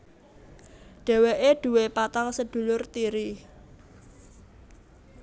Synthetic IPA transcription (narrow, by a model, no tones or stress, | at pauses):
ɖ̥ɛ̤weʔeɖ̪̥ṳwepat̪aŋsəd̪̥ṳlʊrt̪iɾi